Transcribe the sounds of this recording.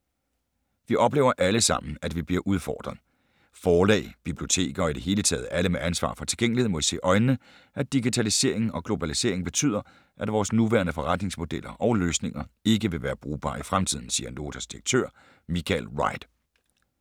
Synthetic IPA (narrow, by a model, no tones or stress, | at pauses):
ʋiʔɒ̽b̥le̝ʊɐʔæləsɑ̈m̰n̩æd̥ʋib̥liɐʔuð̞ˠfɒ̰ːd̥ʁɐn̩ˠ | fɒːlɛ̰ːɪb̥ib̥lijo̝t͡sʰe̝̰ːɡ̥ɐɒ̽id̥e̝ɦe̝ːlət͡sʰɛ̰ːð̞̩ˠæləmeʔænsʋɑ̰̈ːfɒ̽t͡sʰe̝lɡ̥eŋ̰liheð̩̰ˠmɒ̽ʋise̝̰ːʔɒ̽ɪnːə | ʔæd̥iɡ̥it͡sʰælise̝̰ɐ̰e̝ŋn̩ɒ̽ɡ̥lo̝b̥ælise̝ɐ̰eŋb̥e̝t͡sʰy̰ð̰ˠɐ | ʔæd̥ʋɒːsnuʋæɐnəfɒ̽ʁad̥ne̝ŋsmo̝d̥el̰ɐʔɒʊløːsne̝ŋɐe̝ɡ̥əʋe̝ʋæːɐb̥ʁuːb̥ɑ̰̈ːifʁamt͡sʰið̞̰ˠn̩siːɐno̝ːt͡sʰæsd̥iʁɐɡ̥̚t͡sʰø̰ɐ̰ | mikʰælʁɑ̈ɪd̥